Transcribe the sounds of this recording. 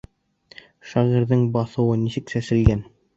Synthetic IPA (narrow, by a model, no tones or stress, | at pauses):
ʃɑʁiɾðɘɴbɑθɤ̆wɤnisɘksæsɘ̆lɡæn